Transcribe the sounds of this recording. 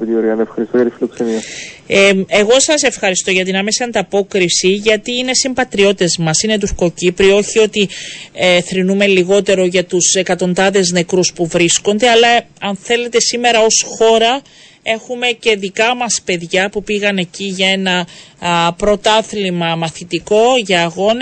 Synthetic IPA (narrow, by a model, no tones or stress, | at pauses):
t̪ioɾɣɐnefxɐɾist̪ojɐt̪ifiloksemiɐ | e̞ɣo̞sɐse̞fxɐɾist̪o̞ʝɐt̪inɐme̞siɐnd̪ɐpo̞kɾisiʝɐt̪iine̞simbɐt̪ɾio̞t̪it̪e̞zmɐsine̞t̪̬uɾko̞cipɾio̞çio̞t̪i | θɾinume̞liɣo̞t̪e̞ɾo̞ʝɐt̪use̞kɐt̪o̞nd̪ɐðe̞zne̞kɾuspuvɾisko̞nd̪eɐlɐɐnθe̞le̞t̪e̞sime̞ɾɐo̞sxo̞ɾɐ | e̞xume̞ce̞ðikɐmɐspe̞ðʝɐpupiɣɐne̞ciʝɐe̞nɐ | pɾo̞t̪ɐθlimɐmɐθit̪iko̞ʝɐːɣo̞n